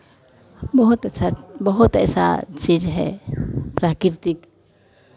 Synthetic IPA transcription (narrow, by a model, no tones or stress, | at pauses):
bɔɦut̪ɛt͡ʃʰabɔɦut̪ɛsa̰t͡ʃid͡ʒɦɛ̰pɾakiɾt̪ik